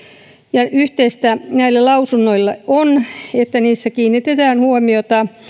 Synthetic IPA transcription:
jɑʔyht̪eist̪ænæilːælɑusunːoilːɑʔonet̪ːæniːsːækiːnːit̪et̪æːnhuomiot̪ɑ

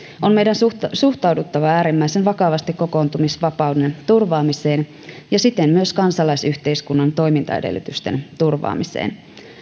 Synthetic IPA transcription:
ʔo̞nme̞jdænssuxt̪ɑwdut̪ːɑʋɑæːɾimːæjsenʋɑkɑʋɑst̪ikkoko̞ːnt̪umisʋɑpɑwde̞nt̪urʋɑːmise̞ːn | jɑsit̪e̞mmyøskɑnsɑlɑjsyçt̪eiskunːɑnt̪o̞jmint̪ɑ̰ḛdḛlːy̰t̪yst̪ent̪urʋɑ̰ːmisḛːn

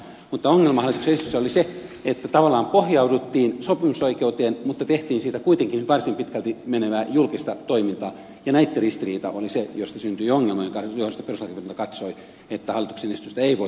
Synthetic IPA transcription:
mut̪ːɑoŋːelmɑhɑlːˑit̪uksenest̪ysæoliseet̪ːæt̪ɑʋɑlːˑɑːmpohjɑudut̪ːiːnsopimusoikeut̪eːnmut̪ːɑt̪eht̪iːnsiːt̪ækuit̪eŋkinyt̪ʋɑrsimpit̪kælt̪imeneʋæːjulkist̪ɑt̪oimint̪ɑː | jɑnæit̪ːerist̪iriːt̪ɑ̰ʔolisejost̪ɑsynt̪yioŋːelmojŋkɑjohost̪ɑperuslɑkepint̪ɑkɑt̪soi | et̪ːæhɑlːˑit̪u̥ksenest̪yst̪æeiʋoi

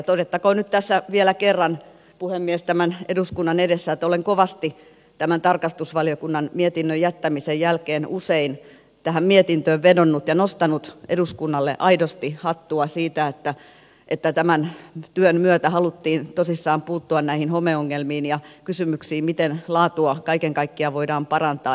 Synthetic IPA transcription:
t̪odet̪ːɑkonnyt̪t̪æsːæʋielækerːɑn | puhemːiest̪æmæneduskunːɑnedesːæet̪ːoleŋkoʋɑst̪i | t̪æmænt̪ɑrkɑst̪usʋɑlijokunːɑnmiet̪inːøjæt̪ːæmisejjælkeːnusein | t̪æɦæmmiet̪int̪øːʋʋedonːut̪jɑnost̪ɑnut̪ʔeduskunːɑlːḛʔɑidost̪ihɑt̪ːuɑsiːt̪æet̪ːæ | ʔet̪ːæt̪æmænt̪yønmyøt̪æhɑlut̪ːiːnt̪osisːɑːmpuːt̪ːuɑnnæihinhomeoŋːelmiːnjɑkysymyksiːmit̪enlɑːt̪uɑkɑikeŋkɑikːiɑʋoidɑːmpɑrɑnt̪ɑː

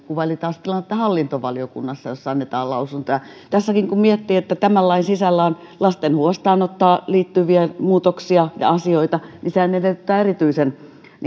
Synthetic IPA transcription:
kuʋɑlit̪ɑːst̪ilɑnet̪ːæhɑlːint̪oʋɑliokṵnːɑsːɑjosːɑɑnːet̪ɑːlɑusunt̪ojɑt̪æsːækiŋkummiet̪ːiːet̪ːæt̪æmælːɑinsisælːæon | lɑst̪enhuost̪ɑːnot̪ːɑːliːt̪ːyʋiæmuːt̪oksiɑjɑ̰ɑsioit̪ɑnisehæneleyt̪ːˑæːerit̪yisen | n

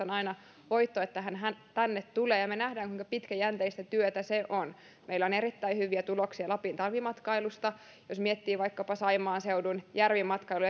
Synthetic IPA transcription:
onɑinɑ | ʋoit̪ːoet̪ːæɦænɦænt̪ænːet̪t̪uleːjɑmenæhdæːŋkuiŋkɑpit̪kæjænt̪eist̪æt̪yøt̪æseʔon | meilːoneɾit̪ːæihyʋˑiæt̪uloksiɑlɑpint̪ɑlʋimɑt̪kɑilust̪ɑ | josmiet̪ːiːʋɑikːɑpɑsɑimˑɑːnseudunjærʋimːɑt̪kɑilu

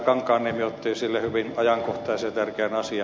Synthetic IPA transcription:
kɑŋkɑːnnːemyøot̪ːiːsilːehyʋinɑjɑŋkoht̪ɑːjset̪ærkeænɑsiɑ

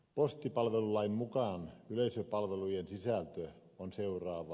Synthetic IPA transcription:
post̪ipɑlʋelulɑimmukɑˑnyleisøpɑlʋelujensisælt̪ø | onseurɑːʋɑ

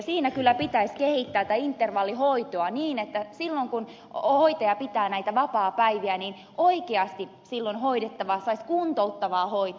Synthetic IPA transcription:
siːnækylːæpit̪æiskehit̪ːæːt̪æint̪ːerʋɑlːihoit̪oɑniːnet̪ːæsilːoŋkun | hoit̪ɑjɑpit̪æːnæit̪æʋɑpɑːpæiʋiæniːn | ʔoikeɑst̪i | silːonhoidet̪ːɑʋɑːsɑiskuːnt̪out̪ːɑʋɑːhoit̪

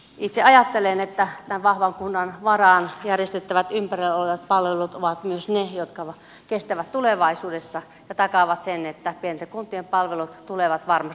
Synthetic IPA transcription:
it̪seɑjɑt̪ːelenet̪ːæt̪ænʋɑhʋɑŋkunːɑnʋɑrɑˑnjærjest̪et̪ːæʋæt̪ympæreloleʋɑt̪̚pɑlʋelut̪oʋɑt̪myøsnejot̪kɑʋ | kest̪æʋæt̪t̪uleʋɑisuːdesːɑ | jɑt̪ɑkɑʋɑt̪senet̪ːæpienet̪kunt̪ːˑiempɑlʋelut̪t̪uleʋɑt̪ʋɑrmɑst̪

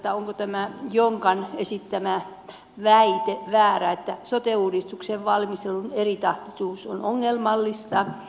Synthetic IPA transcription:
t̪ːæoŋkot̪æmæjoŋkɑnesit̪ːæmæ | ʋæit̪eʋæːræet̪ːæsot̪euːdist̪ukseʋʋɑlmist̪elunerit̪ɑht̪isuːsonoŋːelmɑlːist̪ɑ

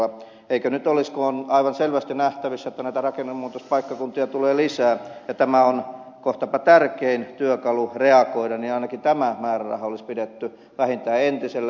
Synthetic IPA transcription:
ɑ | eikønyt̪oliskoːnɑiʋɑnselʋæst̪inæht̪æʋisːæet̪ːænæit̪ærɑkenːumuːt̪ospɑikːɑkunt̪iɑt̪uleːlisæːjɑt̪æmæonkoht̪ɑpɑt̪ærkeint̪yøkɑlureɑkoidɑninɑinɑkint̪æmæmæːræ̰rɑ̰hɑolispidet̪ːy | ʋæhint̪æːent̪iselː

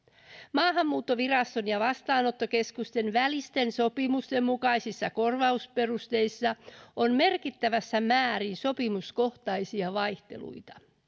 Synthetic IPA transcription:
mɑːɦɑmːuːt̪ːo̞ʋirɑst̪onjɑʋɑst̪ɑːno̞t̪ːoke̞skust̪e̞nʋælist̪e̞nso̞pimust̪e̞mːukɑjsisːɑko̞rʋɑuspe̞rust̪e̞jsːɑonme̞rkit̪ːæʋæsːæmæːɾinso̞pimusko̞ht̪ɑjsiɑʋɑjht̪e̞̰lṵit̪ɑ̥

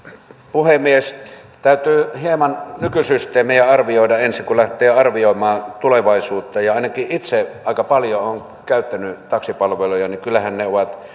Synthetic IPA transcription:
puhemies | t̪æˑyt̪yːhiemɑnnykysyst̪ˑeːmijæɑrʋioˑidɑensiŋkulæht̪ˑeːɑrʋioˑimɑːt̪uleʋɑˑisuːt̪ːɑjɑɑˑinɑkiʔit̪seʔɑˑikɑpɑljooŋ | kæˑyt̪ːænyt̪ɑksipɑlʋelujɑnikylːˑæhænneoʋɑt̪

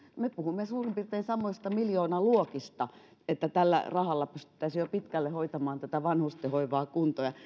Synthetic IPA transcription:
mepuhumːesuːrimpirt̪eːnsɑmːoist̪ɑmiljoːnɑluokist̪ɑ | et̪ːæt̪ælːæ̰rɑhɑlːɑpyst̪y̥t̪ːæisijopit̪kælːehoit̪ɑmɑːnt̪æt̪æʋɑnhust̪ehoiʋɑːkunt̪ojɑ

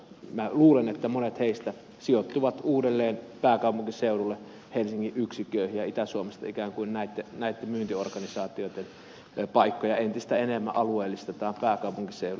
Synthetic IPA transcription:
mæluːlenet̪ːæmonet̪heist̪æ | siot̪ːuʋɑt̪uːdelːeːnpæːkɑˑupuŋkiseuɾulːe | helsiŋːiʔʔyksikøˑihijjɑit̪æsuomest̪ɑ̰ikæːŋkuinnæˑit̪ːenæˑit̪ːemmyːnt̪iorkɑnisɑːt̪ioit̪en | pɑikːojɑent̪ist̪æenemːæʔʔɑlueːlːist̪et̪ɑːmpæːkɑˑupuŋkiseˑur

